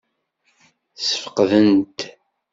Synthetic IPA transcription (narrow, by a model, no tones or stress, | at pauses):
sə̥fə̥qðənt̪